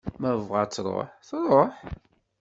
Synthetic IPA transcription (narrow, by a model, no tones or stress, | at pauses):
mævʁɑt͡sːɾˤo̰ħθɾˤoħ